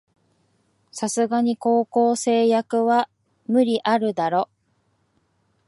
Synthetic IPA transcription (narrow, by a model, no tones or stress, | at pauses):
sasɨɡaɲ̟iko̞ːko̞ːse̞ːjakɯ̟βa | mɯ̟ɾʲiʔaɾɯ̟d̪aɾo̞